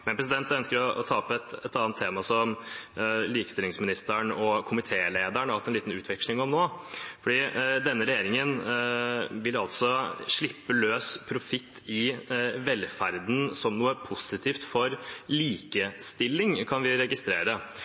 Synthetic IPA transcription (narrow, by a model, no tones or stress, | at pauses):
mɛnpɾɛs̬ɪd̪ɛnt̪œnskəɾɔɔt̪ʰɑːɔpɛt̪ɛt̪ɑːnt̪ʰːeːmɑsɔm | liːkə̥st̪ɪlɪŋsmɪnɪst̪əɳɔkʰʊmɪt̪ʰeːleːd̪əɳɑt̪ːɛnliːt̪n̩ʉːt̪ʰʋɛkʂlɪŋɔmnoːfɔɖiːd̪ɛnːəɾɛjeːɾɪŋən | ʋɪlɑlt̪sɔʂɭɪpːəløːspʰɾʊfɪt̪ʰːɪʋɛlfæɾd̪n̩sɔmnuːəpʰʊsɪt̪ʰiːft̪fɔɾliːkəst̪ɪlːɪŋkʰɑnʋɪɾɛɡɪst̪ɾeːɾə